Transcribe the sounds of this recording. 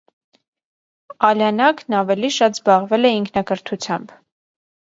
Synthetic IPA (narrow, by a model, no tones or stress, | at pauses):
ɑljɑnɑknɑvɛliʃɑt̪zbɑʁvɛlɛiŋkʰnɑkəɾt̪ʰut͡sʰjɑmb